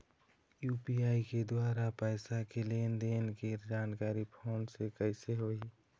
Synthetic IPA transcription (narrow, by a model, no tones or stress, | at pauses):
juːpiaːiked̪waːɾapɛɪsakelend̪eːnked͡ʒaːnkaːɾipʰoːnsekəɪseɦoi